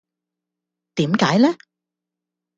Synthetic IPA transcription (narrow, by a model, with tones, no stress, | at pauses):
t̪iː˨˥mkaː˨˥jlɛː˥